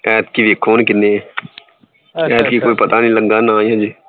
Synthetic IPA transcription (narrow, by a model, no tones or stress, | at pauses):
ɛːt̪kiːʋeːkʰoːnkɪnẽː | ɛːt̪kiːkoːiːpət̪aːnĩːləɡːaːnaːjãːd͡ʒiː